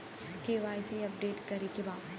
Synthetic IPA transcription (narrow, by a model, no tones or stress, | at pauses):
keʋaːsiɐp̚ɖeːʈkɐɾikebaː